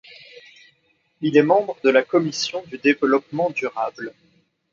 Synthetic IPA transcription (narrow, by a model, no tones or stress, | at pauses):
ilɛmɑ̃bʁəd̪əlakɔmisjɔ̃d̪yd̪evəlɔpmɑ̃d̪yʁabl